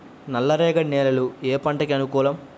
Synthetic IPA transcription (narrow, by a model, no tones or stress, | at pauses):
nɐlːɐɾɛːɡɐneːlɐlueːpɐɳʈɐkiɐnukuːlɐm